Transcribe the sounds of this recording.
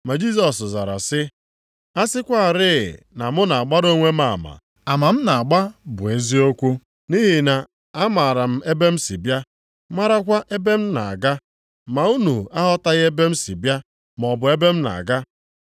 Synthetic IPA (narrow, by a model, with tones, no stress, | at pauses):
ma˨d͡ʒi˦s̬ɔ˨sza̰˨ɾa̰˨sɪ˦ | a˦sɪ˦kʷa˦a˨ɾɪ˦˨ | na˨mʊ˦na˨a˨ɡ͡ba˦ɾo˦ŋʷe˦ma˨ma̰˨ | a˨ma˨m̩˦na˨a˨ɡ͡ba˦bʊ˨e˦zi˦o˦kʷu˦ | ni˦ɦi˨na˨ | a˦ma˨ɾa˨m̩˦e˦be˦m̩˦si˨bja˦ | ma˦ɾa˦kʷa˦ʔe˦be˦m̩˦na̰˨ɡa˦ | ma˨u˦nu˨a˦ɦɔ˦ta˦ɣe˦be˦m̩˦si˨bja˦ | mɔ˨bʊ˨e˦be˦m̩˦na̰˨a̰˨ɡa˦